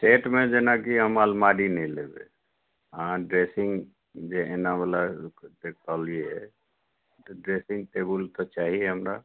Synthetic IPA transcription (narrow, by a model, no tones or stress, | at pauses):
sʈeʈmẽd͡ʒenakiəmalmaɖinɛĩlebḛ | ãɖɾesĩŋɡ | d͡ʒeʔenabəlad̪ek̚ʰt̪alieɛ̰ | t̪ɔɖɾesĩŋɡ̚ʈebəlt̪ɔt͡ʃaɦiɛɦəmɾa